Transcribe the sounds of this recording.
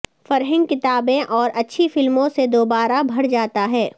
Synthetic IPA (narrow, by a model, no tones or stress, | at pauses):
fɐɾɦə̃ŋɡ̚kɪt̪aːbẽʔɔːɾʔɐtːʃʰifɪlmõsed̪oːbaːɾabʱɐɽd͡ʒaːt̪aɦɛː